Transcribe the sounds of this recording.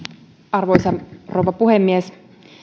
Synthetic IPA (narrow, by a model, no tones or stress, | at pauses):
ɑrʋoisɑrowʋɑpuhemːies